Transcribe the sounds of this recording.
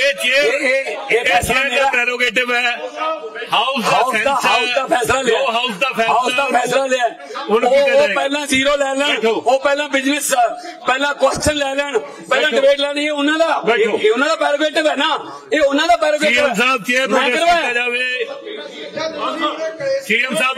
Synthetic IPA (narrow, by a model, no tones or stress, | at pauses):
eːt͡ʃe | eːɛːslaːleːaːpɛːɾoːɡeːʈɪbɛː | haʊsɦaːʊssd̪aːaːʊsd̪aːpʰɛːslaːleːaasd̪aːpʰɛːɦaːʊsd̪aːpʰɛːslaːleːaː | oːpɛːlãːziːɾoːlɛːlɛːnːoːpɛːlãːbɪd͡ʒnəs | pɛːlãːkʊwɛːsʈʰənlɛːlɛːɳ | pɛːlãːɖɪbeːʈlɛːɽ̃iːɛːʊnãːd̪aːbeːʊnãːd̪aːpɛːɾoːɡeːʈɪbɦɛːnaː | eːʊnːãːd̪aːpɛːɾoːɡeːbɛːsːb̚emɛ̃ːkəɾbɛːd͡ʒaːʋe | siːəmsaːb